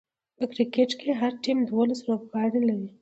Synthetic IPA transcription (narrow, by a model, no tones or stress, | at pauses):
pəkɾikeʈkeɦaɾʈimd̪wolasɾob̚ɡɑɽelaɾi